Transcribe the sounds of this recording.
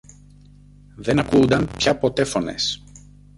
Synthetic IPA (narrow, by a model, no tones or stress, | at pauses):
ðe̞nɐkuːnd̪ɐnpçɐpo̞t̪e̞fo̞ne̞̰s